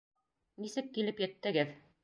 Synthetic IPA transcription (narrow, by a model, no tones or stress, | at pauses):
nisɘkːilɘpjɘ̆t̪ːɘ̆ɡɘð